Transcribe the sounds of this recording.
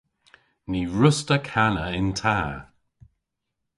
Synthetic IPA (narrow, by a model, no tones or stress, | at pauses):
niːɹʊstəkʰanəɪntʰaː